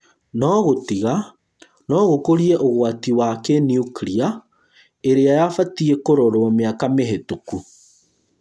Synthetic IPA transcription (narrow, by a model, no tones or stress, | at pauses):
nɔɣotiɣa | nɔɣokoɾiɛʔoɣwatiwakeniukɾia | eɾeajafatiekoɾoɾomeakameɦetuku